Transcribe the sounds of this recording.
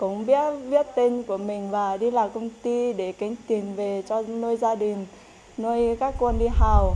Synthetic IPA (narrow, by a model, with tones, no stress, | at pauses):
kʊ̰˧˥ŋ͡mɓi˦˥ət̚ɓi˦˥ət̚t̪e˧nku˧˩əmï˨˩ŋ̟vaː˨˩ɗi˧laː˨˩kə˧wŋ͡mt̪i˧ɗe˧˩kä˨˦ŋ̟t̪i˨˩nve˨˩t͡ɕɔ˧no˧jzaː˧ɗï˨˩ŋ̟ | no˧jkaː˦˥kːwə˧nɗi˧ɦaː˨˩w